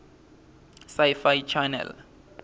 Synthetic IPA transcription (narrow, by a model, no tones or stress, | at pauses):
sajfajt͡ʃʰanɛ̰l